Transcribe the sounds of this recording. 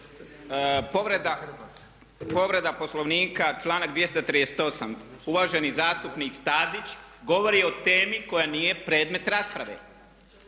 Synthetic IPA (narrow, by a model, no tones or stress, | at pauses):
poʋɾed̪a | po̞ʋɾe̞d̪apo̞slˠo̞ʋniːkat͡ʃlˠaːnakd̪ʋje̞st̪at̪ɾijese̥t̪o̞samuʋaːʒe̞nizaːst̪upniːkst̪aːzit͡ɕɡo̞ʋo̞ɾio̞t̪e̞ːmiko̞janije̞pɾe̞ːd̪me̞t̪ɾaspɾaʋḛ